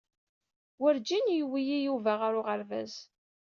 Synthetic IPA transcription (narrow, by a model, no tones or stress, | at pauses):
wəɾd͡ʒinjwijijuvæʁaɾʊʁəɾvæ̰z